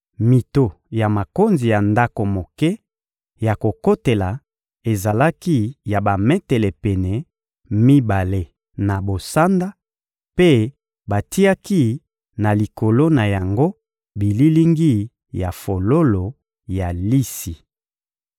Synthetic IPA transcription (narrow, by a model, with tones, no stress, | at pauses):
mi˨to˨ | ja˨ma˨ko˦nzi˨ja˨nda˦ko˨mo˨kɛ˦ | ja˨ko˨ko˦te˨la˨ | e˨za˨la˦ki˦ja˨ba˨mɛ˦tɛ˨lɛ˨pɛ˨nɛ˨ | mi˦ba˨le˦ | na˨bo˨sa˦nda˦ | pe˦ | ba˨ti˦a˦ki˦ | na˨li˨ko˨lo˦na˨ja˨ŋɡo˦ | bi˨li˦li˦ŋɡi˦ | ja˨fo˨lo˦lo˨ | ja˨li˦si˨